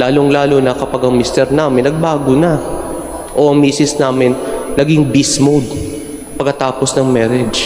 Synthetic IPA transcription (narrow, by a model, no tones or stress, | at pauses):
laːloŋlaːlonɐkɐpaɡɐŋmist̪ɛɾnaːmɪnːɐɡ̚baːɡonɐ | ʔo̞ʔɐŋmiːsɪsnaːmɪnːɐɡɪŋbismowd̪̚ | pɐɡkːɐt̪aːposnɐŋmɛːɾɪd͡ʒ